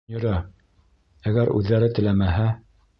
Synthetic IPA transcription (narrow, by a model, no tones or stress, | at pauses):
jŏɾɑ | æɡæɾʉ̰ðːæɾɘt̪ɘ̆læmæɦæ